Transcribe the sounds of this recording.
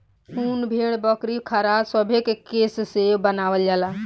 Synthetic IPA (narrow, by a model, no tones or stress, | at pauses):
hʰuːnbʱeɽ̃bəkɾikʰəɾasəbʱekekessebənaʋəld͡ʒala